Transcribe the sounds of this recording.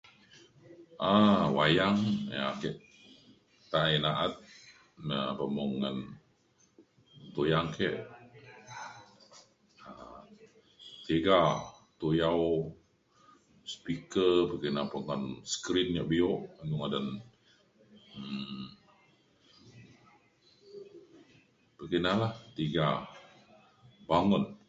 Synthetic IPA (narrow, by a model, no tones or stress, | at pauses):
ʔawajaŋja̰kɛʔ | t̪aʔʔinaʔat̪̚ | napəmɔŋːan | t̪ojaŋkɛʔ | a | t̪eɡat̪ojaw | spikəpəkinapoŋanskɾinjaʔbioʔanuŋadan | pəkənalaht̪iɡa | baŋʊn